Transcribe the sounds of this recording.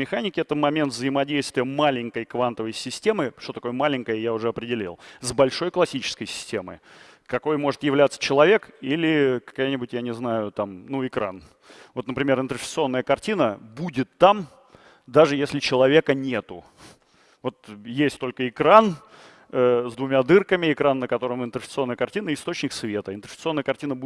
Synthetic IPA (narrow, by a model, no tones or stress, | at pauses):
mʲɪxanʲɪkʲɪɛt̪əmɐmʲent̪vzəɪmɐdʲejst̪vʲɪjəmalʲɪŋʲkəjkvant̪əvəjsʲɪsʲtʲemɨʂt̪ot̪ɐko̞jəmalʲɪŋʲkəjəjaʊʐɛɐpɾʲɪdʲɪlʲḭlˠzbɐlʲʂo̞jklˠɐsʲit͡ɕɪ̥skəjsʲɪ̥sʲtʲe̞mɨ̰jkɐko̞jmo̞ʐɨt̪jɪvlʲat̪sə̥t͡ɕɪlˠɐvʲe̞kilʲɪkɐ̥kajnʲɪbʊtʲjanʲɪznajʊt̪amnuɪkɾa̰n | vo̞t̪nəpɾʲɪmʲe̞ɾɨnt̪ɾfʲɪ̥t̪sɨo̞nːəjəkɐrtʲinəbudʲɪt̪ːam | d̪aʐɨjesʲlʲɪt͡ɕɪlˠɐvʲe̞kənʲe̞t̪ʊ | vo̞t̪jesʲtʲt̪o̞lʲkəɪkɾan | əzd̪vʊmʲad̪ɨrkəmʲɪɪkɾanːəkɐt̪o̞ɾəmɪnt̪ɾəfʲɪt̪sɨo̞nːəjəkɐrtʲinəɪst̪o̞t͡ɕnʲɪksvʲe̞t̪əɪnt̪ɾə̥sʲt̪sɨo̞nːəjəkɐrtʲinəb